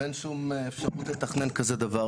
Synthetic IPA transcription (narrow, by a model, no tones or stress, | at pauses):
enʃumefʃaʁut̪le̞t̪aχne̞nkazed̪ava